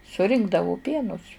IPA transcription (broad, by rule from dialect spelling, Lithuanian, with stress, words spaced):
sʊˈrʲɪŋɡdɐʋoː ˈpʲiɛnʊs